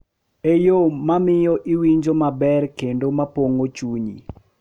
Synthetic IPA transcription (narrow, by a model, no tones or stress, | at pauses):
ejomamɪjɔʔiwiɲd͡ʒomabɛrkendomapoŋot͡ʃuɲḭ